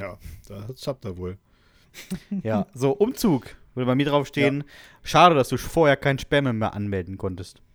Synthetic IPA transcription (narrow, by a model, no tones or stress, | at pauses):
jaːd̥asap̚tavoːl | jaːzoːʔʊmt͡suːkv̥ʏɐdəbaɪmiːɐʁaʊfʃteːənʃaːɾədasd̥uːfoːɐheːɐkʰaɪnəʃpɛɐmɛmeːɐʔanmɛldn̩kʰɔntəst